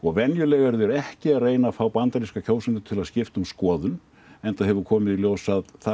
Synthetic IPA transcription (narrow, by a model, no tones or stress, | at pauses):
ɔɣvɛnjʏlɛːɣɛɾðʏɛɾɛhcɪaðreːjnafaːwpant̪aɾiskacʰoːwsʏnt̪ʏ̥t̪ʰɪlaðscɪft̪ʏmskɔːðʏn | ɛnt̪aðɦɛvʏɾkʰɔːmɪðiljoːwsaðθa